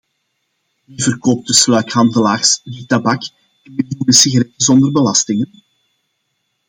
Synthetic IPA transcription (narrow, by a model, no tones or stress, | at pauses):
ivərkoːp̚tɵslɛːkhɑndəlaːrsditɑbɑk | ɛnbɪdudəsiɣaɾɛtəzɔndərbəlɑstɪŋən